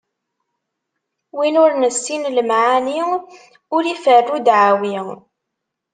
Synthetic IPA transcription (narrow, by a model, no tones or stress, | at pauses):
winʊɾnəsːinləmʕani | ʊɾifərːud̪ʕawi